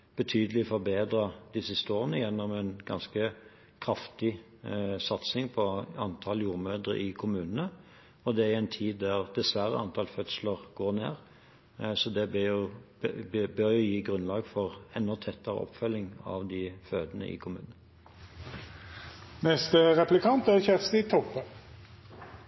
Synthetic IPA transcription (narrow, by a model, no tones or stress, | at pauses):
b̥ət̪ʰyːd̪əlɪfɔɾbeːd̪ɾɑd̪̥ɪsɪst̪əoːʁənəjɛnːɔmɛnɡɑ̰nskə | kʰɾɑft̪ɪ | sɑt̪snɪŋpʰɔɑnt̪ʰɑljuːʁmøːd̪ə̰ʔɪkʰʊmʉːnənə | ɔd̪ɛææɛɪnt̪ʰiːd̪ːæʁd̪ɛsʋæɾə̰ɑnt̪ʰɑlfœt̪sləʁɡ̥oːʁnḛːʁ | sɔd̪ɛbjʊ | bœɾjʊjiːɡʁʉnlɑːɡfɔʁɛnːɔt̪ʰɛt̪ːəʁə̰ʔɔ̰pːfœlːɪŋɑ̰ʋd̪ɪføːd̪ənə̰ʔɪ̰kʰʊmʉ̰ːnnə | nɛst̪əʁɛplɪkʰɑnt̪æçɛtst̪ɪt̪ʰɔpːə